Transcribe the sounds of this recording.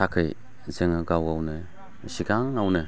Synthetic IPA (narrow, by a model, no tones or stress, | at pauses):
akʰɯj | zɯŋɯɡawawnɯ | siɡaŋawnɯ